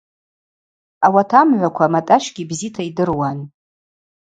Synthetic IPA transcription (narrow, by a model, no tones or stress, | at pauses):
awatʰamʕʷakʷʰamatʼaʃʷɡ̥ʲibzitʰaidɨrwan